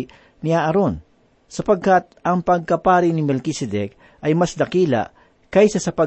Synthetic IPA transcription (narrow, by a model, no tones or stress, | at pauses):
niaːʔɐɾon | sɐpɐɡ̚kat̪̚ʔɐŋpɐɡ̚kɐpaːɾɪnɪmɛlkisɛd̪ɛk̚ | ʔɐjmɐsd̪ɐkiːla̰ | kɐjsɐsɐpɐ